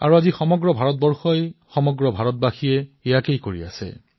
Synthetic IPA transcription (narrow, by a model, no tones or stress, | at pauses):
a̰ɹuazixɔmɔɡɹɔbʱaɹɔt̚bɔɹxɔjxɔmɔɡɹɔbʱaɹɔt̚baxiɛejakejkoɹḭa̰sɛ̰